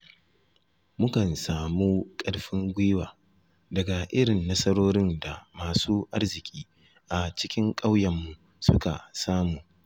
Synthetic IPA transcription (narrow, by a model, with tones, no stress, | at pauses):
mʊ˦kɐ˨nsaː˨muː˦kʼɐ˦ɽɸɪ˦ŋɡʷɪː˦waː˨ | dɐ˨ɡa˨ʔɪ˦ɽɪ˨nːɐ˦sɐ˦ɽoː˦ɾɪ˦nda˨maː˨suː˦ʔa˦rzɪ˨kʲʼiː˦ | ʔa˨t͡ʃɪ˦kʲɪ˦ŋkʼa˦wjɐ˨mːu˨ | sʊ̰˦ka̰˨saː˦muː˨